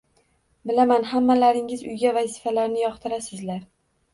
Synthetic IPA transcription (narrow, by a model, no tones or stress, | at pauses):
bɪlamanɦamːalaɾɪŋɪzʊ̰jɡʲavazɪfalaɾnɪjɒqt̪ʰɪɾasɪzlaɾ